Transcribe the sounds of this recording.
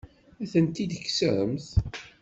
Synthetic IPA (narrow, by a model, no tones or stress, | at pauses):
æθənt̪id̪əkːsəɾə̰mθ